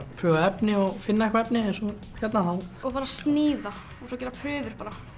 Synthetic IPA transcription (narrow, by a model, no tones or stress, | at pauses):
pʰɾʏɣaɛpnɪɔɣfɪnːaɛkʰvɛpnɪɛnsɔ | çɛt̪naɦanɔɣfaːɾast̪nɪːða | ɔsɔːcɛːɾapʰɾœːvʏɾ̥paːɾa